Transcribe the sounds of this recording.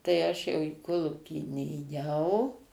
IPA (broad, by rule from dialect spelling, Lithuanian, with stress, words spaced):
tɐɪ ˈɐʃ jɛʊ iː ˈkoːlˠuːkʲiː nʲeːˈjɛʊ